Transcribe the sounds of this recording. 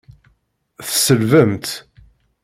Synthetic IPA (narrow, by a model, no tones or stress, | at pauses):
θsəlvəmt̪